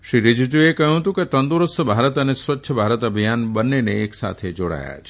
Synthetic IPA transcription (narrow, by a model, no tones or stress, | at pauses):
ʃɾiɾɪd͡ʒd͡ʒuekəɦjũɦət̪ũket̪ə̃nd̪uɾəsəbʱaɾət̪ənesʋətːʃʰəbʱaɾət̪əbʱijanbənːeneːksa̰t̪ʰed͡ʒoɽa̰ja̰t͡ʃʰe̥